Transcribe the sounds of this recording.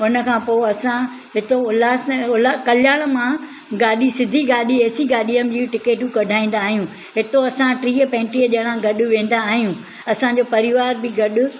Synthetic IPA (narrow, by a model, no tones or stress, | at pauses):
ʊnəkʰãːpoːeɐsã | ɦɪt̪oʊlaːsʊlakɐljaːɽ̃̆mã | ɡaːɗisɪd̪ʱiɡaːɗieːsiɡaːɗiːəmd͡ʑiːʈɪkeːʈũkɐɖʱaːĩːn̆d̪aːɦijũː | ɦɪt̪oɐsãʈɾiːəpɛ̃ːɳʈɾiːəʄɐɽ̃ãɡɐɗʊ̆ʋẽːn̆d̪aːɦijũː | ɐsãd͡ʑoːpɐɾɪʋaːɾbɪɡɐɗʊ̆